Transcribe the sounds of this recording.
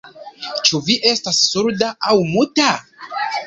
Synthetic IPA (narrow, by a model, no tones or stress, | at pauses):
t͡ʃuviʔe̞stasːuɾdaʔawmuta